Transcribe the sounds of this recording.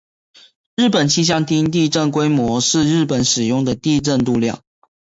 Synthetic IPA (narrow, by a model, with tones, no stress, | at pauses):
ɻ̩˥˩pə˨˩nt͡ɕʰi˥ɕ̬jɑ˥ŋt̪ʰi˥nt̪̬i˥˧ʈ͡ʂə˥˩nkwe˥ɪmwɔ˧˥˦ʂɻ̩˥˧ɻɻ̩˥˩pə˨˦nʂɻ̩˨˩jʊ˥˩ŋd̪ə˩t̪i˥˧ʈ͡ʂə˥˧nt̪u˥˧ljɑ̰˥˩ŋ